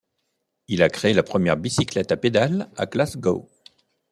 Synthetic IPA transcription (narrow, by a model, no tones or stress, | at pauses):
ilakχeelapχəmjɛʁbisiklɛt̪aped̪ala̰klasɡo̰